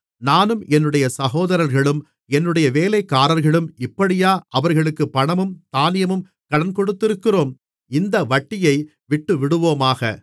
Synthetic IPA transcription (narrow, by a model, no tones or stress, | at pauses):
naːnɯmʔɛnːɯɽɐjɐsɐɣoːðɐɾɐɾɣɐɭɯm | ɛnːɯɽɐjɐʋeːlɐɪkːaːɾɐɾɣɐɭɯmɪpːɐɽɪjaːʔɐʋɐɾɣɐɭɯkːɯpːɐɳɐmɯmt̪aːnɪjɐmɯm | kɐɽɐnkɔɽɯt̪ːɪɾɯkːɪroːm | ɪnd̪ɐʋɐʈːɪjɐɪ | ʋɪʈːɯʋɪɽɯʋoːmaːɣɐ̰